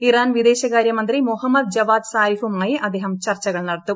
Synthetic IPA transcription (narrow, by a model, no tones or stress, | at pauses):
iɾaːnʋid̪eːʃɐkaːɾjɐmɐnt̪ɾimuɦɐmːɐd̪̚d͡ʒɐʋaːd̪saːɾifumaːjeʔɐd̪eɦɐmt͡ʃɐɾt͡ʃɐɡɐɭnɐɽɐt̪ːu